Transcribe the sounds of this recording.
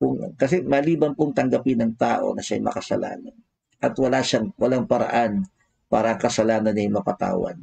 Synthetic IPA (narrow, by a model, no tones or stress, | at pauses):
kʊŋkɐs̬ɛmɐliːbɐnpʊŋt̪ɐŋɡɐpɪnɐŋt̪a̰ːʔo̞̰nɐʃajmɐ̰kɐsɐ̰la̰ːnɐn | ʔɐt̪wɐlaʃaŋwɐlaŋpɐɾɐ̰ʔan | paːɾɐɐŋkɐsɐlaːnɐnːɐjmɐpɐt̪a̰ːwɐ̰n